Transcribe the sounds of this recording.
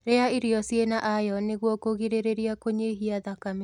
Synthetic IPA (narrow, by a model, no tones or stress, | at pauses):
ɾeaiɾiɔsjenaʔajɔneɣwɔkoɣiɾeɾeɾiakoɲeɦiaðakame